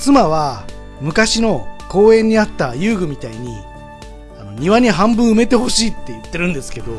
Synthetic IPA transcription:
t͡sɨmaβ̞a | mɯ̟kaɕino̞ko̞ːẽ̞ɲ̟ːiat̪ːajɯːɡɯ̟mʲit̪aiɲ̟ḭ | ano̞ɲ̟iβaɲ̟iɦãmbɯ̟̃ɰ̃ɯme̞t̪e̞ho̞ɕiːt̪ːe̞jɯ̟t̪ːe̞ɾɯ̟̃nd̪e̞sɨ̥ke̞d̪o̞

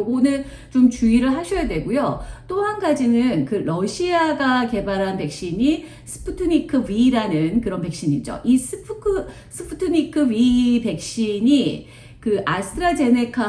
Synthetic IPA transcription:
onɯɭ | t͡ɕomt͡ɕuiɾɯɭɦaɕʰʌjadwe̞ɡujot͈oɦanɡad͡ʑinɯnkɯɾʌɕʰiaɡake̞baɾɦanpe̞k̚ɕ͈iɲi | sʰɯ̥pʰɯtʰɯɲikʰɯɥiɾanɯnkɯɾʌnpe̞k̚ɕ͈iɲid͡ʑo̰ʔisʰɯpʰkʰɯ | sʰɯpʰutʰɯɲikʰɯɥipe̞k̚ɕ͈iɲi | kɯʔasʰtʰɾad͡ʑe̞ne̞kʰa

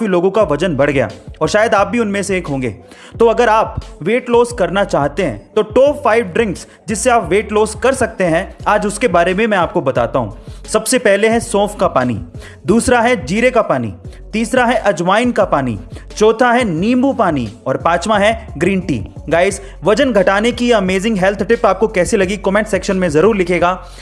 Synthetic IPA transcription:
filoːɡõkaʋɐd͡ʒənbɐɽ̤ɡɐja̰ːɔːɾʃaːjəd̪aːp̚bʱiʊnmẽseeːkɦõːŋɡḛː | t̪oɐɡəɾaːpʋeːʈloːzkɐɾnat͡ʃaːɦt̪eɦɛ̰̃t̪oʈoːfaːɪʋɖɾɪ̃ŋks | d͡ʒɪsːeaːpʋeːʈloːzkɐɾsɐk̚t̪eɦɛ̃aːd͡ʒʊskebaːɾemẽmɛ̃aːp̚kobɐt̪a̰ːt̪aɦṵ̃ːsɐbsepɛɦleɦɛ̃sɔ̃ːfkapaːnḭ | d̪uːsɾaɦɛd͡ʒiːɾekapaːnḭt̪iːsɾaɦɛʔɐd͡ʒʋaːɪnkapaːnḭt͡ʃɔːt̪ʰaɦɛnĩːmbupaːnḭɔːɾpaːt͡ʃmãɦɛɡɾĩːɳʈḭːɡaːɪz | ʋɐd͡ʒənɡʱɐʈaːnekiɐmeːzɪ̃ŋɡɦɛlt̪ʰʈɪpaːp̚kokɛːselɐɡikɔmɛ̃ɳʈsɛːkʃənmẽzɐɾuːɾlɪkʰeːɡaː

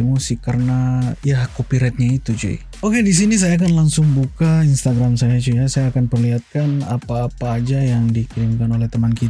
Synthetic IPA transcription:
imosikaɾənajahkopiɾɛt̪̚ɲait̪ud͡ʒa̰ḭ | okedis̬inis̬ajaːkanlaŋsʊŋbukainst̪aɡɾamsajat͡ʃujasajaːkanpərliɦat̪̚kanapaːpaːd͡ʒajaŋdikiɾimkanolɛht̪əmankit̪

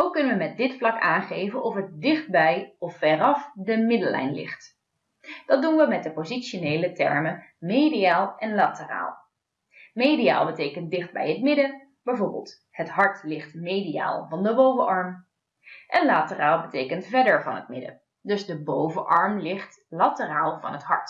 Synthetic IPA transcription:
owkːɵnəʋəmɛt̚dɪtflɑkaːnχejvənʔɔfət̚dɪχd̚bɛjɔfːɛrɑfdəmɪdəlɛ̰jnlɪ̰χt | d̥ɑt̚dunʋəmɛt̚dəpozitʃonejlətɛ̰ɹməmejdijaːlˠʔɛnlaːtəra̰ːlˠ | mejdia̰ːlˠbətejkəntdɪχd̚bɛ̰jɦətmɪdə | b̥ɛjvoɹbə̰lˠt | hətɦɑɹtlɪχtmejdia̰ːlˠvɑndəbowvəʔɑɹm | ʔɛnlaːtəraːlˠbətejkəntvɛɹdəɹvɑ̰nətmɪdə̰ | dɵzdəbowvəʔɑɹmlɪχt | latəraːlˠvɑ̰nɦətɦɑɹt

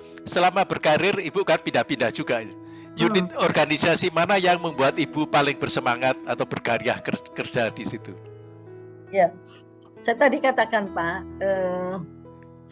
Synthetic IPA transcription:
səlamab̥ərkaɾɪribukanpindahpindahd͡ʒ̥uɡa | junɪt̪̚ɔrɡanisasimanajaŋməmbuat̪ibupalɪŋbərsəmaŋat̪̚at̪awbərɡaɾiahkərkərd͡ʒ̥adisit̪u | ja | sajat̪adikat̪akanpaʔə

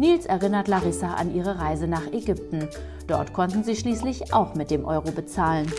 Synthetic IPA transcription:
niːlsɛɐʁɪnɐtlaʁɪsaʔa̰nʔiːʁ̞əʁaɪzənaːχɛɡʏp̚tn̩ | d̥ɔɐtkʰɔntn̩ziːʃliːslɪçʔa̰ʊxmɪt̚d̥eːmʔɔʏʁobət͡saːlən

